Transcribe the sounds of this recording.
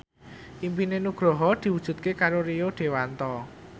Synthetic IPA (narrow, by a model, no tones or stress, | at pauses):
ʔimpinenuɡ̥ɾɔɦɔd̪̥i̤wud̥ʒ̥ṳt̪̚kekaɾoɾioɖ̪̥e̤want̪ɔ